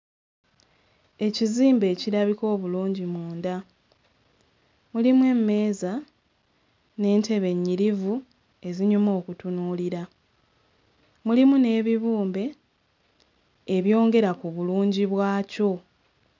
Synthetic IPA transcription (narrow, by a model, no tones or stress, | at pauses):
e̞ciziːmbe̞ːciɾaβiko̞ːβuluːɲɟimuːnda | mulimwe̞mːe̞ːza | ne̞ːnte̞βe̞ɲːiɾivu | e̞ziɲumo̞ːkutunuːliɾa | mulimune̞ːβiβuːmbe̞ | eβjo̞ːŋɡe̞ɾakuβuluːɲɟiβwaːco̞